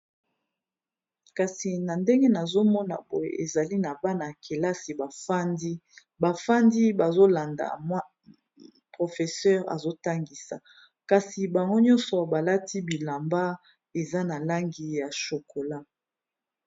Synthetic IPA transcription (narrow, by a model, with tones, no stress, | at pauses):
ka˨si˨na˨nde˦ŋɡe˦na˨zo˦mɔ˦na̰˨bo˨jḛ˨ʔe˨za˨li˦na˨ba˦na˨kʰe˨la˦si˨ba˨fa˦ndi˦ | ba˨fa˦ndi˦ba˨zo˦la˨nda̰˨m˦ | pʁo˨fe˨sɛ˦ʁa̰˨zo˦ta˦ŋɡi˨sa˨ | ka˨si˨ba˨ŋɡo˦ɲɔ̃˦nsɔ˨ba˨la˦ti˦bi˨la˨mba˦ | e˨za˦na˨la˦ŋɡi˨ja˨ʃo˨ko˨la˦